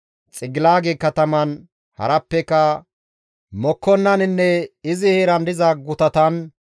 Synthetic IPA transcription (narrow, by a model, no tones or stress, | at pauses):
t͡sʼɪɡɪlaːɡekɐt̪ɐmɐn | hɐ̰ɾɐpːɛkɐ | mɔkːɔnːɐnɪnːɛɪzɪheːɾɐnd̪ɪzɐɡʊt̪ɐt̪ɐn